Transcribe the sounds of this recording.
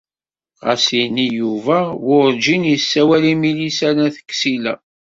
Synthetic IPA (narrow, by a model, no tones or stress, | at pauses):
ʁæ̰sinijuvæwʊɾd͡ʒinjəsːæwælimilisæɾæθə̥kːsilæ̰